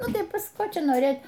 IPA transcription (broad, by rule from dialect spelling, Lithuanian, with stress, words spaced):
ˈnʊ tɐɪ ˈpɐs ˈkoː ˈt͡ʃʲɛ noːˈrʲeːt